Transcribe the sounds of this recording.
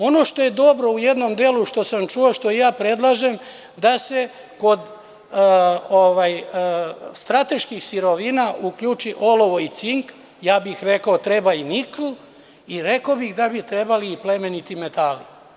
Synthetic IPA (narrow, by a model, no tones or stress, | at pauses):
o̞no̞ʃt̪o̞je̞d̪o̞bɾo̞uje̞d̪no̞md̪eːluʃt̪o̞samt͡ʃuoʃt̪o̞ijaːpɾe̞d̪lˠaːʒe̞m | d̪ase̞ | ko̞d̪ | oʋaj | st̪ɾat̪e̞ʃkixsiɾo̞ʋinaʔukʎut͡ʃiʔo̞loʋoit̪siŋk | jaːbixɾe̞kaot̪ɾe̞bainikl̩ | iɾe̞kobixd̪abit̪ɾebaliːple̞me̞nit̪ime̞t̪ali